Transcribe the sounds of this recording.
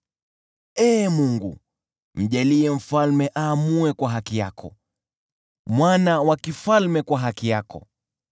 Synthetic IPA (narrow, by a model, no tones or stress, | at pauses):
ɛːmuŋɡṵ | m̩ʄaliɛm̩falmɛʔaːmuɛkwaɦakija̰kʰɔ̰ | mwanawakifalmɛkwaɦakijakɔ̰